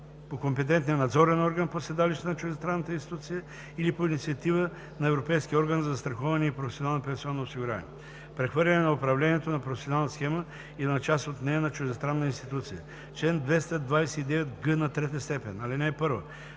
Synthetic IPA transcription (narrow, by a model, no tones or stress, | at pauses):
pokompɛt̪̬ɛnt̪nijənɐd̪zɔɾɛnɔɾɡənposɛd̪aliʃt̪ɛnɐt͡ʃʊʒɛst̪ɾanːɐt̪əinst̪it̪ut̪sijə | ilipoinit̪siɐt̪ivə | nɐɛvɾopɛjsk̟iɔɾɡənzɐst̪ɾɐxɔvɐnɛipɾofɛsionalˠnɐpɛ̃nsiɔnːoːsiɡuɾa̰nḭɛ | pɾɛxvɤɾlʲɐnɛnɐopɾɐvlʲɛniɛt̪onɐpɾofɛsʲionalˠnt̪sxɛmə | inɐt͡ʃast̪ot̪nɛjənɐt͡ʃuʒɛst̪ɾanːəinst̪it̪ut̪sijə | t͡ʃlɛnd̪vɛst̪əd̪vajsɛid̪ɛvɛt̪ɡənɐt̪ɾɛt̪̬əst̪ɛpɛnɐlinɛːpɤɾvə